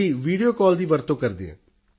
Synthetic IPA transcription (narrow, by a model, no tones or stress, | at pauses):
iːʋiːɖijoːkɔːld̪iːʋəɾt̪õːkəɾd̪ḛːɛ̰ː